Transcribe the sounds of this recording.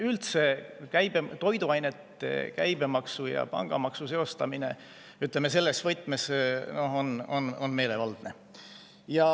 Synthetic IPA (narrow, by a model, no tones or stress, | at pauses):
ylt̪se̞kæjb̥et̪o̞jd̪uɑjne̞t̪ːˑe̞̰kæjb̥e̞mɑksujɑ̰pɑ̰ŋɡ̥ɑmɑksuse̞o̞st̪ɑmine̞ | yt̪ˑlemese̞lːesvɤt̪ːˑmesno̞hono̰nonme̞ːle̞vɑld̪̥ne̞ | jɑ